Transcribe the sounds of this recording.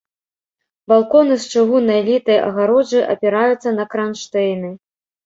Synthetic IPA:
balˠkɔnɨst͡ʂɨɣunɐjɛlʲit̪ɐjʔɐ̰ɣaɾɔd͡ʐɨʔɐ̰pʲɛɾajut̪sːɐnɐkɾanʂt̪ɛjnɨ

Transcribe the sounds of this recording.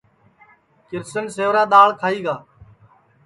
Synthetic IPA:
kɪɾsənseːʋɾaːɗ̪aːɭkʰaːiːɡaː

